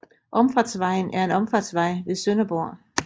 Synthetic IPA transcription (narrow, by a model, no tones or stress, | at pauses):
ʔɒ̽mfɑ̈d̥sʋɑ̈ɪ̰n̩æɐe̝nɒ̽mfɑd̥sʋɑ̈ɪ̰ʋe̝ðˠsønɐb̥oɐ̰